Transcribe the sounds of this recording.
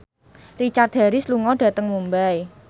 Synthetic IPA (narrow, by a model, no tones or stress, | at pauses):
rit͡ʃart̪̚d̥a̤ɾɪsluŋɔɖ̥a̤t̪əŋmumbaj